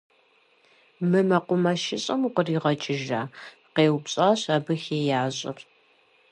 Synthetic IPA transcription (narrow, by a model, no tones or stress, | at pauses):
mɨmɐqʷʊmɐʃɪɕʼɐmuqəriːʁɐt͡ʃʼɪʒaː | qeːwpɕʼaːɕaːbɨxeːjaːʑʼɪ̰r